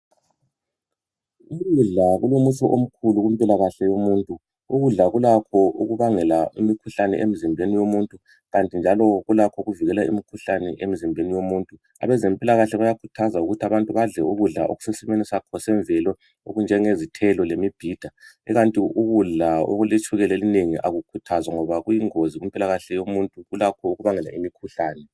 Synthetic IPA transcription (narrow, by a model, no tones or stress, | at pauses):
uɣuɮaɣulomut͡ʃʰɔʔom̩kʰuluɣumpʼilaɣaɬɛjomuːntʼu | uɣuɮaɣulakʰɔʔuɣuβaŋɛlaimikʰuɬanɛ̰ʔem̩zimbʱenijomuntʼu | ɣantʼind͡ʒʱalɔɣulakʰɔɣuviɣɛlaḭmikʰuɬanɛʔem̩zimbʱenijomuntʼu | a̰βɛzempʼilaɣaɬɛβajakʰu̥tʰazauɣutʰaβantʼuβaɮɛuɣuɮa̰ʔo̰ɣu̥sesɛmenisakʰɔsɛɱvɛlɔ | o̰ɣund͡ʒʱɛŋezitʰɛlɔlemib̥ʱiːd̥ʱaɛɣantʼiuɣuɮao̰ɣulet͡ʃʰʼuɣɛlelineŋiʔaɣukʰutʰazwaŋɔβaɣujiŋoziɣumpʼilaɣaɬɛjomuntʼuɣulakʰɔuɣuβaŋɛla̰imikʰuɬaːnɛ